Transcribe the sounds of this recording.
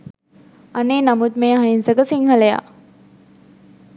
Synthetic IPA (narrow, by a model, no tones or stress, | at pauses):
ɐneːnɐmut̪mejɦɐinsɐkəsiŋhɐleja̰ː